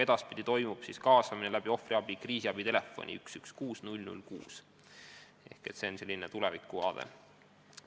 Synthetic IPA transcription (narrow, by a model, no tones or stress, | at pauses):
e̞d̪̥ɑspid̪̥it̪o̞jmub̥siskɑːsɑminelæb̥io̞friɑb̥ikriːsiɑb̥it̪e̞le̞fːo̞̰nʲʔḭyksykskuːsnulʲnṵlkṵːs | e̞̰hke̞t̪se̞onse̞lʲːinet̪ulevikːˑuɑ̰ːd̪ḛ